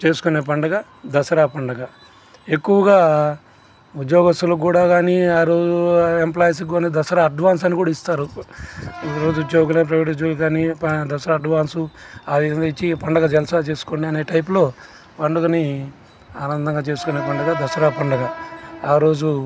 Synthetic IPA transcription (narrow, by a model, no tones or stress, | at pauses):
t͡ʃe̞ːsu̥kuneːp̬ɐɳɖɐɡɐ | d̪ɐsɐɾaːpɐɳɖɐɡɐ | e̞kːuʋɐɡaː | ud̪joːɡɐst̪ɐluk̬uːɽaːɡaːniaːɾo̞ːd͡ʒuemplaːjs̬iɡoned̪ɐsɐɾaːɐɖʋaːns̬ɐnikuːɽaist̪aːɾu | iɾo̞ːd͡ʒuud̪joːɡulɐp̬ɾɐʋeʈid͡ʒulkaːnipɐd̪ɐsɐɾaːɖʋaːnsuad̪end̪ɐit͡ʃːipɐɳɖɐɡɐd͡ʒɛlɐsat͡ʃe̞ːsu̥koɳɖiɐneːʈɐjp̬ulo̞ː | pɐɳɖɐkɐni | aːnɐnd̪ɐŋɡaːt͡ʃe̞ːsu̥kuneːpɐɳɖɐɡɐd̪ɐsɐɾaːpɐɳɖɐɡɐaːɾo̞ːd͡ʒu